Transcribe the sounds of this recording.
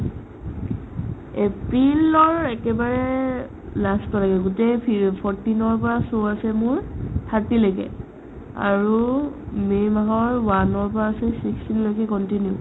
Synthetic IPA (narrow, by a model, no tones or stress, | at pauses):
epɹilɔɹɛkɛbaɹɛ | lastɔlaɡɛɡutejpʰɔɹtinɔɹpɔɹasoasɛmʊɹtʰatilojɡɛ̰ | a̰ɹumemaɦɔɹwanɔɹpɔɹaːsɛsikstinlojkɛkɔntinjʊ̰